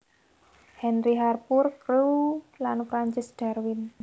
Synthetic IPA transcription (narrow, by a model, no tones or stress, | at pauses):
hɛnɾiɦarpurkɾulanfɾaɲt͡ʃɪsd̥a̤rwɪn